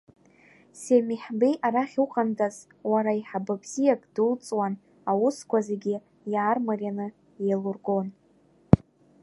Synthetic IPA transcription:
semiħbejʔaɾaχʲuqʼandʼaz | waɾaiħababz̥ijakʼd̥ult͡sʼwan | awʊskʷʰazeɡʲi | jaːrmarʲjanɨ | jejlurɡo̞n

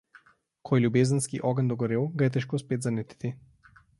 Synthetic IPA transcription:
kʰɔjlʲubɛzanskiʔɔɡand̪ɔɡɔɾɛwˠɡaɛt̪ɛʃkɔspɛd̪zanɛt̪i̥t̪i

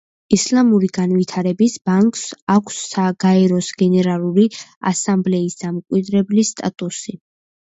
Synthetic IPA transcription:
islamuɾiɡanvit̪ʰaɾɛbisbaŋkʼsakʷʰsːaɡ̥aɛɾɔsɡɛnɛɾalˠuɾia̰samblɛisd̪amkʼwid̪ɾɛblist̪ʼa̰t̪ʼusi

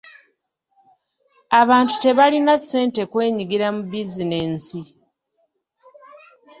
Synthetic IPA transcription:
aβaːntu̥te̞βalinasːe̞ːnte̞kwe̞ːɲiɡiɾamubizineːnsi

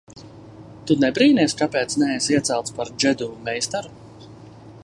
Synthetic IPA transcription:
t̪unɛbɾiːnɛsʲkapɛːt̪snɛɛjsiɛt̪sɛlˠt̪spaɾd͡ʒɛd̪umɛjst̪aɾu

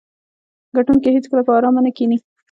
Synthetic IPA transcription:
ɡaʈunkehet͡skəlapəɑɾɑmanakini

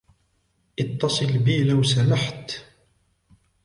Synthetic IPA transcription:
ʔɪt̪ːɑsˤɨlbiːlawsalaħt̪

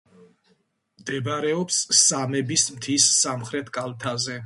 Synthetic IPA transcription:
md̪ɛbaɾɛɔpsːamɛbismt̪ʰisːamχɾɛt̪ʰkʼalˠt̪ʰazɛ

